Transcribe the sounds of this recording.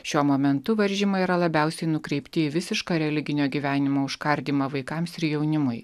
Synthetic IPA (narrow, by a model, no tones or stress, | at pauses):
ʃʲuɔmoːmʲɛnt̪ʊʋɐɾʲʒʲɪmɐiɾɐlˠɐbʲæˑʊsʲɛɪnʊkɾʲɛɪpʲt̪ʲɪiʋʲɪsʲɪʃkɑːɾʲɛlʲɪɡʲɪnʲoːɡʲiːʋʲæːnʲɪmoːʊʃkɐɾʲd̪ʲiːmɐʋɐɪkɑmsɪɾjɛʊnʲɪmʊɪ